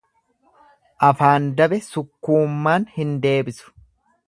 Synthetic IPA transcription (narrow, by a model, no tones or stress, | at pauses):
ʔɐfaːnd̪ɐbɛsʊkːuːmːaːnhɪnd̪e̞ːbɪsʊ̥